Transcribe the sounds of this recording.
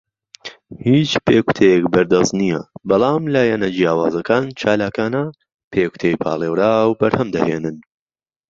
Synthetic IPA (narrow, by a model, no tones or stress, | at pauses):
hiːt͡ʃpʰeːku̥t̪ʰejɛkbɐɾd̪ɐznijɐ̰bɑlˠɑːmlaːjɛnɐd͡ʒijaːwa̰ːzɐkaːnt͡ʃʰaːlaːkaːnɐ | pʰeːkʰu̥t̪ʰejpʰa̰ːlˠeːwɾaːwbɐɾhɐmd̪ɐheːnɨn